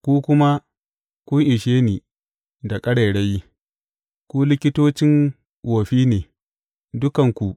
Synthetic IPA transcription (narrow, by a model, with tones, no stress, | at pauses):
kʷuː˦kʷʊ˦ma˦ | kʷʊ˦ŋʔɪ˨ʃeː˦niː˨ | da˨kʼɐ˦ɽe˨ɽa˦j | kʷu˦lɪ˦kʲɪ˦toː˦t͡ʃɪ˦ŋ | woː˨ɸiː˦neː˨ | dʊ˦kɐ˨ŋkʷu˨ʔ